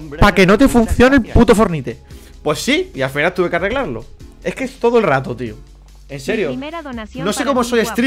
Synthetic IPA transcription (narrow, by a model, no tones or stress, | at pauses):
pake̞not̪̬efun̟θjo̞nelput̪ofo̞ɾnit̪e̞ | pwe̞sːiiafinalt̪uβe̞keare̞ɣlaɾlo | e̞hkeest̪o̞ðoe̞lrat̪ot̪io | e̞nseɾjono̞sekomoso̞jest̪ɾi